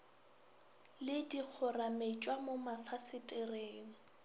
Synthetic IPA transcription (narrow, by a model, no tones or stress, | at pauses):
lɪdik͡xʰʊramet͡ʃʼwamomafasɪtʼɪreːŋ̩